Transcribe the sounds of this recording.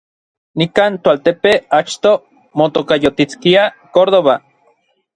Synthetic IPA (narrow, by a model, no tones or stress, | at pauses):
nikaːnt̪oalt̪epeat͡ʃt̪o | mot̪okajot̪it͡skia | koɾðoβa